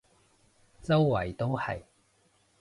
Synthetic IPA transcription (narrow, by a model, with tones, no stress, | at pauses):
t͡sɐ˥wwɐ˨˩jt̪o˥whɐ̰˨˩j